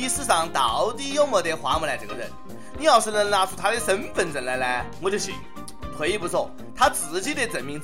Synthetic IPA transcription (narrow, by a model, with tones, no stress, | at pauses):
i˧˥sɹ̩˥˧˩ʂɑ˨˧˩ŋt̪ɑ˨˩˦ʊt̪i˥˧jo˥˧ʊmɔ˧˩t̪e˧˥ɪxwa˧˥mu˧˥la˧˥ʈ͡ʂɤ˨˩ɡə˧ɻə̰˥˧˩n | ni˧˥jɑ˥˩ʊʂ̩˥˧lə˧˩ŋla˧˥ʈ͡ʂʰu˥˩t̪ʰa˥d̪ə˧ʂə˧˥nfə˨˩nʈ͡ʂə˨˩nla˧˥ɪla˧˥ɪwɔ˧˩t͡ɕo˥˩ɕḭ˨˩˦ŋ | kʰə˧˥i˥˩pu˧˥t͡sʰo˥˩ | t̪ʰa˥t͡sɹ̩˨˧˥t͡ɕi˥t̪e˥˩t͡sə˨˩nmi˧˥ŋt͡s